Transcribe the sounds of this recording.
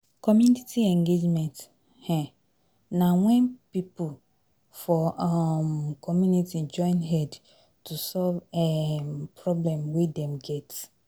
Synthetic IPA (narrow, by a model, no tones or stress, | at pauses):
kʰɔmjunitʰiɛ̃ŋɡed͡ʒmɛ̃nt | hɛ̃ | nãwɛ̃npipu | fɔɔmkʰɔmjunitid͡ʒɔ̃ɪ̃nɦɛd | tʰusɔlvɛpɹɔblɛ̃mwedɛ̃mɡɛt